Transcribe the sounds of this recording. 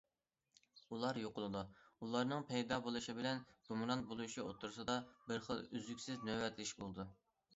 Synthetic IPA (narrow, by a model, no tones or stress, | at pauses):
ulˠɑɾjoqʊlˠɨd̪uulˠɑɾnɨŋpʰɛjd̪ɑːbolˠuʃibɪlɛnɡ̥umɾɑnt̪̚bolˠuʃio̰t̪ʰuɾsɨd̪ɑbɪɾχəlˠyzykʲsɪznøwɛt̪lɪʃbolˠɨd̪u